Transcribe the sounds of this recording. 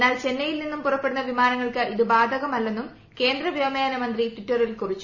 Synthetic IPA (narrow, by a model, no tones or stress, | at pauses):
enːaːlt͡ɕe̞nːɐjilninːumpurɐpːe̞ɽunːɐʋimaːnɐŋːɐɭkɨʔiðɨbaːd̪ʱɐɣɐmɐlːe̞nːum | ke̞ːnd̪rɐʋjɐmɐjaɐnɐmɐnd̪ritʋiʈːɐrilkurit͡ɕːu̥